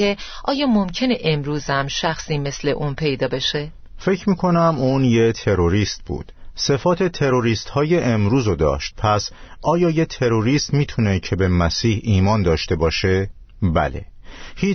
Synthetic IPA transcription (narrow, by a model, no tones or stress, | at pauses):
eʔɒːjɒːmomcʰe̞ne̞ʔemɾuːzæmʃæxsiːme̞sle̞ʔuːnpʰe̞jd̪ɒːbe̞ʃe | fe̞cʰmiːkʰo̞næmuːnje̞t̪ʰe̞ɾo̞ɾiːst̪̚bṵːd̪̥se̞fɒːt̪ʰe̞t̪ʰe̞ɾo̞ɾiːst̪hɒːjeʔemɾuːzod̪ɒ̰ːʃt̪̚pʰæs | ɒːjɒːjet̪ʰe̞ɾoɾiːst̪miːt̪ʰune̞cʰe̞bemæsiːhiːmɒːnd̪ɒːʃt̪e̞bɒːʃe | bæ̰le̞̰hiː